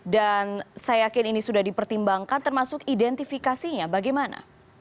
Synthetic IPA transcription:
dansajakɪninisudahdipərt̪imbaŋkant̪ərmasʊkidɛnt̪ifikasiɲabaɡajmana̰

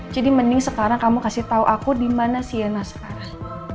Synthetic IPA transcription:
d͡ʒadimənɪŋsəkaɾaŋkamukasɪht̪auʔakudimanasianahsə̥kaɾaŋ

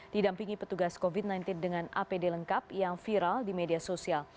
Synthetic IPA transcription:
didampiŋipət̪uɡaskovit̪̚najnt̪ɪndəŋanʔa̰pedeləŋkapjaŋfiɾaldimediasosial

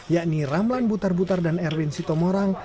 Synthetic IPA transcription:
jaʔniramlanbut̪arbut̪ardanɛrwinsit̪ɔmɔɾaŋ

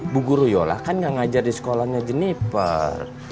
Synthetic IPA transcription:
buɡuɾujola̰kanɡaŋad͡ʒardisə̥kolahɲad͡ʒənipə̰r

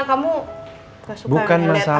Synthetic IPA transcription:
kamu | bukanmasa

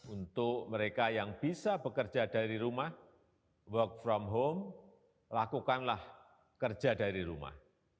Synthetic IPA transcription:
unt̪ʊkməɾekajaŋb̥isabəkərd͡ʒadaɾiɾumah | wɔk̚fɾɔmɦom | lakukanlah | kərd͡ʒadaɾiɾuma̰h

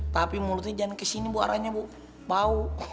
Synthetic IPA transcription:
t̪apimulʊt̪id͡ʒankəsinibuʔa̰ɾaɲabuʔ | bau

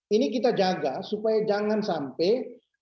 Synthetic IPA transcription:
inik̬it̪ad͡ʒaːɡasupaed͡ʒaŋɡansaːmpe

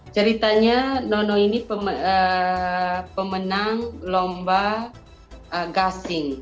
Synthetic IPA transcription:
t͡ʃəɾit̪aɲanɔnɔinipəməə | pəmənaŋlomba | əɡasɪŋ

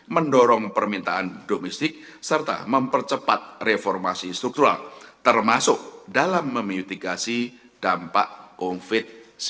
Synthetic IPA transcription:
məndɔɾɔŋpərmint̪aʔand̥omɛst̪ɪk̚ | sərt̪a̰məmpərt͡ʃəpat̪̚refɔrmasist̪ɾuk̚t̪uɾa̰lt̪ərmasʊk̚dalamːəmjut̪iɡasi | d̥ampaʔkonfɪt̪̚s

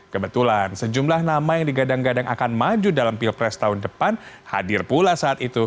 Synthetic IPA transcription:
kəbət̪ulansəd͡ʒumlahnamajaŋdiɡadaŋɡadaŋʔakanmad͡ʒudalampilpɾɛst̪aɦundəpanha̰dɪrpulasaːt̪it̪u

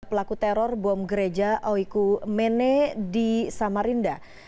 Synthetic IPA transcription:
pəlakut̪ɛɾɔrbɔmɡəɾed͡ʒaʔɔikumenedisamaɾinda

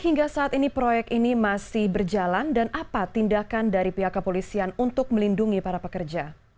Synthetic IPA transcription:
hiŋɡasaʔat̪inipɾojɛk̚t̪inimasɪhbərd͡ʒalandanapat̪indakandaɾipiɦakːəpolisianunt̪ʊk̚məlinduŋipaɾapəkərd͡ʒa

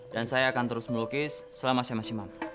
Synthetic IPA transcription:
dansajaːkant̪əɾʊsməlukɪsːəlamasajamasiŋmampu̥

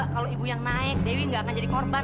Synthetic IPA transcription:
kaloibujaŋnaɪk̚dewiŋɡaːkand͡ʒadikɔrban

